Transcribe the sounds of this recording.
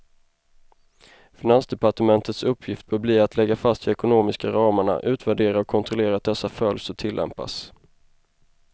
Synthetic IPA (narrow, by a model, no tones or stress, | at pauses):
fɪnansd̪ɛpaʈəmɛnt̪ʰət̪sɵpʰːjɪft̪̚b̥œːbliːat̪ʰlɛɡːafast̪ɪɛkʊnoːmɪskaɾɑːməɳa̰ʔʉ̟ːt̪væɖeːɾaɔkʰːɔnt̪ʰɾɔleːɾat̪̚d̪ɛsːafœljsɔt̪ʰɪlːɛ̰mpa̰s